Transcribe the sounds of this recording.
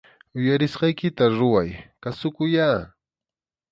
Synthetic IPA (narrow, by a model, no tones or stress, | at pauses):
ʊjaɾɪsɢɑjkɪt̪aɾʊwajkasʊkʊjaː